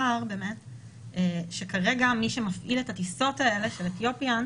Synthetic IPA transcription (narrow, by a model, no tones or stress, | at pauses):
aʁbe̞ːme̞t | eʃekaʁe̞ɡamiʃe̞mafʔiletatiso̞tae̞le̞ʃe̞let̪jo̞pjan